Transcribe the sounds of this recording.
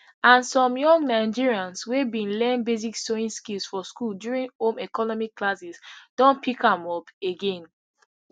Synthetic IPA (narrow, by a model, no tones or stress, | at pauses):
ãnsɔ̃mjɔ̃ŋɡnaɪd͡ʒiɹiãnswebĩnlɛ̃nbezikstoĩnskilˠsfɔskuldjuɹĩnhõmɛkɔnɔmikːlasisd̥ɔ̃npikãmɔpeɡẽn